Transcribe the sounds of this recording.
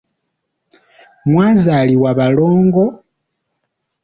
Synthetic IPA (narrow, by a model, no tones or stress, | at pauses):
mwaːzaliwaβaloːŋɡo